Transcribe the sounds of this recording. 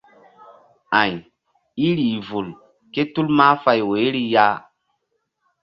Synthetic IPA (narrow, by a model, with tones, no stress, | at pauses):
ã˨j | i˦ɾi˨vu˨l | ke˦tu˦lma˦fa˧jwe˨˦ɾi˦ja˦